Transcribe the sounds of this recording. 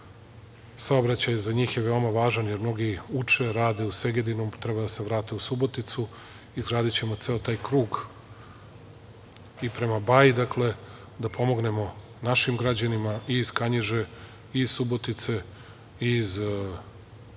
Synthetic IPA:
sao̞bɾat͡ɕajzaɲiːxjeʋe̞omaʋaːʒanjeɾmno̞ɡiut͡ʃe̞ɾaːd̪e̞use̞ɡed̪inomt̪ɾe̞bad̪ase̞ʋɾaːt̪e̞usubo̞t̪it̪su | izɡɾaːd̪it͡ɕe̞mot̪seot̪aːjkɾuːɡ | ipɾe̞mabajid̪akle̞ | d̪apʰo̞mo̞ɡne̞mo̞ | naʃimɡɾad͡ʑanimaʔiːzkaɲiʒe | iiz̥subo̞t̪it̪se̞ | iz

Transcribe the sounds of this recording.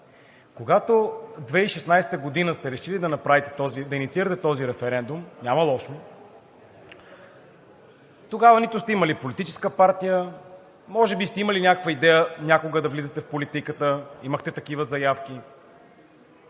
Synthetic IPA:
koɡat̪od̪vɛiʃɛsnajsɛ̥t̪əɡod̪inəst̪ɛɾɛʃilid̪ɐnɐpɾavit̪ɛ̥t̪ɔzid̪ɐinit̪siɾət̪ɛt̪ɔziɾɛfɛɾɛnd̪umnʲaməlˠɔʃno | t̪oɡavənit̪ʊst̪ɛiməlipolit̪it͡ʃɛ̥skəpaɾt̪ijə | mɔʒɛbist̪ɛiməlinʲakəkvəid̪ɛjənʲakoɡəd̪ɐvlizət̪ɛfpolit̪ikət̪əiməxt̪ɛt̪ɐk̟ivəzɐjafkʲi

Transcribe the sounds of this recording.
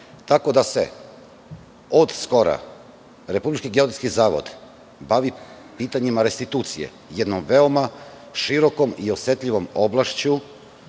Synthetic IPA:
t̪ako̞d̪ase̞̰ | od̪sko̞ɾa̰ | ɾe̞publit͡ʃkiɡeod̪ɾit̪skizaːʋo̰d̪ | baʋi | piːt̪aɲimaɾe̞st̪it̪uːt̪sijḛ | jed̪nomʋe̞o̞ma | ʃiɾo̞ko̞miosje̞t̪ʎiʋo̞mo̞blˠaʃt͡ɕu

